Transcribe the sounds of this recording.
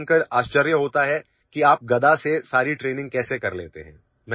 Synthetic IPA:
nkəɾaːʃt͡ʃəɾjəɦoːt̪aɦɛ | kiaːp̚ɡɐd̪asesaːɾiʈɾeːnɪ̃ŋɡ̚kɛːsekɐɾlḛːt̪ḛɦɛ̰̃ː | m

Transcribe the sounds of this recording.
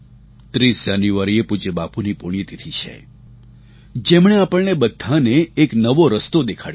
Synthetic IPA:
t̪ɾisd͡ʒanjuʋaɾiepud͡ʒebapunipoɽ̃ijt̪it̪ʰit͡ʃʰḛ | d͡ʒemɳ̃eapəɭnebəd̪ʱːaneːknəʋoɾəst̪od̪ekʰaɽ

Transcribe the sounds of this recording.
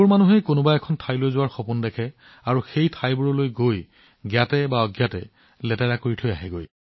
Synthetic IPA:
ʊɹmanuɦejkʊnʊbajɛkʰɔntʰajlojzʊwaɹxɔpundɛkʰɛ | aɹuxejtʰajbɔɹɔlojɡoj | ɡjatɛbaɔɡjatɛ̰ | lɛtɛɹakoɹitʰojaɦɛɡoj

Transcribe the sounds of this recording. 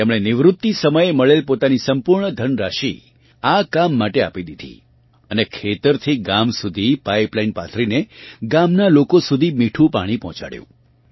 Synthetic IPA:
emɽ̃enɪʋɾʊt̪ːisəməjeməɭelpot̪anisəmpuɾɳəd̪ʱənɾaʃi | akamːaʈeapid̪id̪ʱḭ | ənekʰet̪əɾt̪ʰiɡamsud̪ʱipaiplainpa̰t̪ʰɾineɡamnalokosud̪ʱimiʈʰũpa̰ɽ̃ipɔɦt͡ʃa̰ɽjṵ̃

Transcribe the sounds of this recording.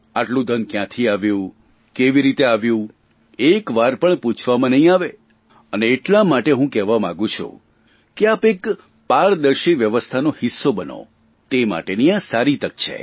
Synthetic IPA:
aʈlũd̪ənkjãt̪ʰiaʋjũ | keʋiɾit̪eaʋjũ | ekʋaɾpəɳput͡ʃʰʋamãnəɦĩaʋe | əneːʈlamaʈeɦũkɛʋamã̰ɡũt͡ʃʰṵ̃ | keapek | paɾd̪əɾʃiʋjəʋəst̪ʰanohisːobəno̰ | t̪ema̰ʈeniãsaɾit̪əkt͡ʃʰḛ

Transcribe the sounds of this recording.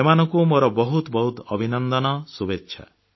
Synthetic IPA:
emanɔŋkumoɾɔbɔɦut̪bɔɦut̪ɔbʱinɔnd̪ɔnɔsubetːʃʰa̰

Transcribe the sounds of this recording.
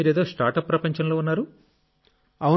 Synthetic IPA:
iːɾeːd̪oːsʈaːɾʈɐpːɾɐpɐɲt͡ʃɐnloːunːaːɾu | ɐu

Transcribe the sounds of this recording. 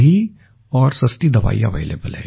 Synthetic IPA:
i | ɔːɾsɐst̪id̪ɐʋa̰ːḭɐʋḛːlḛːbəlɦɛː

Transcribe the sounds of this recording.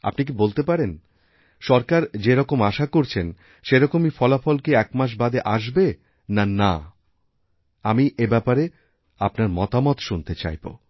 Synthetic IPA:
a̰pnik̬ibolt̪epaɾen | ʃɔɾkaɾd͡ʑeɾɔkomaʃakoɾt͡ɕʰen | ʃeɾɔkomifɔlafɔlkeɛkmaʃ̬bad̪eʔaʃ̬be | nana | amiʔebɛpaɾe | apnaɾmɔt̪amɔt̪ʃunt̪et͡ɕa̰jbo̰

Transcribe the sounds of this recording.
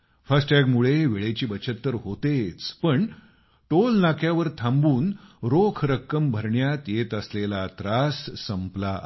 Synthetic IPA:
fasʈaɡmuɭeʋeɭet͡ɕiːbət͡ɕʰət̪ːəɾɦot̪et͡spəɳ | ʈolnakʰjaʋəɾt̪ʰãmbuːnɾokʰɾəkːəmbʱəɾɳjat̪jet̪əslelat̪ɾasːəmpla

